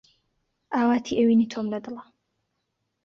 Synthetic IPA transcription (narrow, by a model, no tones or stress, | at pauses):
ʔaːwaːt̪ʰiʔɛwiːniːt̪ʰoːmlɐd̪ɨlɐ